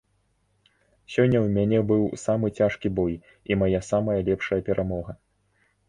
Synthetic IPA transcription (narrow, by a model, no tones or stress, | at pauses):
sʲɔnʲːɐwmʲanʲɛbɨwsamɨt͡sʲaʂkʲibɔj | imajasamɐjɐlʲɛpʂɐjɐpʲɛɾʔamɔɣɐ